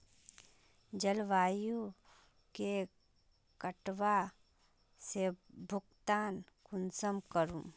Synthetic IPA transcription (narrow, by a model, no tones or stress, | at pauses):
d͡ʒəlʋaːju | ke | kəʈʋa | sebʱʊɡt̪aːnkʊnsəmkəɾũ